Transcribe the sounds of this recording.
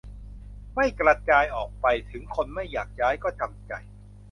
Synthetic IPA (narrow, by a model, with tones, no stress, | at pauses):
ma˥˩jkɾa˧t͡ɕaː˧jʔɔː˨˩k̚pa˧jt̪ʰɯ˩˦ŋkʰo˧nma˥˩jːaː˨˩k̚t͡ɕaː˦˥jkɔː˥˩t̪ʰa˧mt͡ɕa˧j